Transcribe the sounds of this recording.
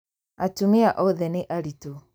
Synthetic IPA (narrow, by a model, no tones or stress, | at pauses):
atumɪaʔɔðɛneʔaɾito